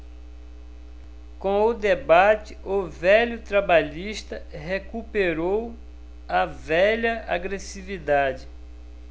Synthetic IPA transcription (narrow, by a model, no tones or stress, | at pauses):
kõʊd̪ebat͡ʃɪʊvɛʎʊt̪ɾabaʎiʃt̪ɐɦekupeɾow | ɐvɛʎɐa̰ɡɾesivid̪ad͡ʒɪ